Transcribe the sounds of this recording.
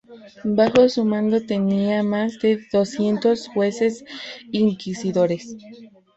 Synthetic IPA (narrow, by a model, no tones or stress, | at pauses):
baxosumãnd̪ot̪eniamazd̪eðosjent̪osxwesesiŋkisiðoɾes